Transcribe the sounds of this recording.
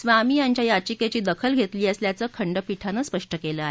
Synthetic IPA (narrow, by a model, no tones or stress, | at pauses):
sʋaːmiːjaɲt͡ɕjajat͡ɕiket͡ɕiːd̪əkʰəlɡʱet̪liːəsljat͡səːkʰəɳɖəpiʈʰanəspəʂʈəkeləːaɦe